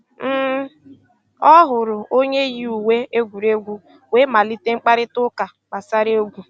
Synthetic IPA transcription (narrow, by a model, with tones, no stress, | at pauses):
m̩˦˨ | ɔ˦ɦʊ˨ɾʊ˨o˦ɲe˦ji˦u˨we˦e˦ɡʷu˨ɾe˦ɡʷu˦ | we˦ma˨li˦te˦ŋ͡m̩˦k͡pa˦ɾɪ˦tʊ˦ka˨ | k͡pa˨sa˦ɾe˦o˦ɡʷu˦